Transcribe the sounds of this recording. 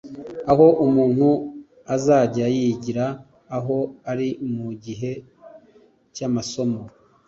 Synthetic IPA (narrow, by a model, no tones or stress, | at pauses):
aho̞ʔumuːn̥hu | azaːɟajiɟiɾaː | ɦo̞aɾimuɟiɦe̞ | camaso̞mo